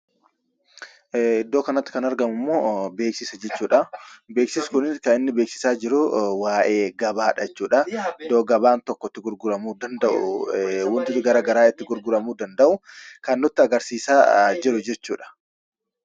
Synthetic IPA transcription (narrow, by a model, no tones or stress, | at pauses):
ɪd̪ːo̞ːkɐnɐt̪ːɪ̥kɐnɐɾɡɐmʊmːoːbe̞ːksɪsɐd͡ʒɛt͡ʃːuːᶑɐbeːksɪsʊ̥kʊnɪkɐɪnːɪbeːksɪ̥saːd͡ʒɪɾʊwaːʔeːɡɐbaːᶑɐt͡ʃːuːᶑɐd̪oːɡɐbaːnt̪ɔkːɔt̪ːɪɡʊɾɡʊɾɐmuːd̪ɐnd̪ɐʔʊ̰wɔnt̪ɪtɪɡɐɾɐɡɐɾaːɪt̪ːɪɡʊɾɡʊɾɐmuːd̪ɐnd̪ɐʔʊkɐnːʊt̪ːɪɐɡɐɾsiːsaːd͡ʒɪɾʊd͡ʒɛt͡ʃːuːᶑɐ̥